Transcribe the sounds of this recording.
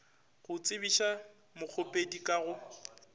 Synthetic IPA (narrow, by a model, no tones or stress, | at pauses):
ɣʊt͡sʼɪbiʃa | mʊk͡xʰopʼedikʼaɣʊ